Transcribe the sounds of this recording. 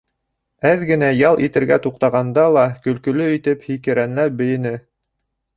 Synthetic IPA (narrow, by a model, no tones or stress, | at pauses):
æðɡɘ̆næjɑlˠit̪ɘ̆ɾɡæt̪uqt̪ɑʁɑnd̪ɑlˠɑkɵ̆lkɵ̆lɵit̪ɘphikɘ̆ɾænlæp̚bɘ̆jɘ̆nɘ